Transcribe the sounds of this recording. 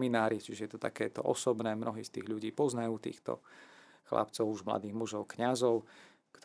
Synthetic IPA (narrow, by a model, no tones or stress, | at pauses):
minaːɾit͡ʃiʒɛjɛt̪ɔt̪a̰kɛːt̪ɔ̰ʔɔsɔbnɛːmnɔɦiːst̪iːɣʎuɟiːpɔznajuːt̪ḭːxt̪ɔ̰ | xla̰pt͡sɔʊuʒmla̰d̪iːɣmuʒɔʊkɲazɔʊ | kt̪